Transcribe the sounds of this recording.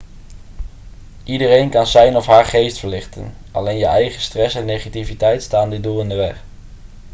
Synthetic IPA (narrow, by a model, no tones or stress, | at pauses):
ʔidərejnkɑnzɛjnɔfɦaːɹχejstfəɹlɪχtə̰n | ʔɑ̰lejnjəʔɛjχəstrɛsɛnːejχativitɛjtstaːndɪdulˠɪndəʋɛχ